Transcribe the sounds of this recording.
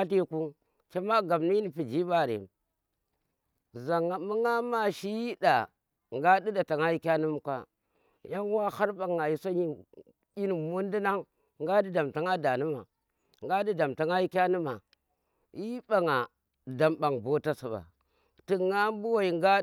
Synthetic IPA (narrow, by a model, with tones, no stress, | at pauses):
a˦ti˦ku˦ | ke˦ma˦ɡa˨m˨ni˦i˦ni˨pi˨d͡ʒi˦ba˦˨ɾḛ˨m | za˨ŋa˨mu˦ŋa˦ma˦ʃi˦ji˦da˨ | ŋɡa˦di˦da˨ta˨ŋa˦ji˦kʲa˦nu˦m˦ka̰˦ | ja˦ŋ˦wa˦ha˦ɾba˨ŋːa˨ji˦so˦ɲi˦ | i˦ni˨mu˦n˦di˦na˦ŋ | ŋɡa˦di˦da˨mta˨ŋa˦da˨nu˦ma̰˨ | ŋɡa˦di˦da˨mta˨ŋa˦i˦kʲa˦nu˦ma˨ | ji˦ba˨ŋa˨ | da˨mba˨ŋbo˦ta˦sa˨ba̰˨ | ti˨ŋa˦m˦bu˦wa˦i˨ŋɡa˦